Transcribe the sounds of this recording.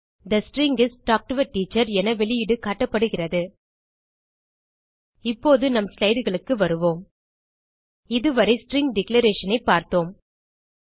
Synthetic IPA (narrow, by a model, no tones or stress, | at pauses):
d̪ɐsʈɾɪŋɡɪsʈaːk̚ʈɯʋɐʈːiːt͡ʃːɐɾɛnɐʋɛɭɪjɪɽɯkaʈːɐpːɐɽɯɣɪrɐðɯ | ɪpːoːðɯnɐmslɐɪɽɯɣɐɭɯkːɯʋɐɾɯʋoːm | ɪðɯʋɐɾɐɪsʈɾɪŋɡɖɪklɐɾeːʂɐnɐɪpːaːɾt̪oːm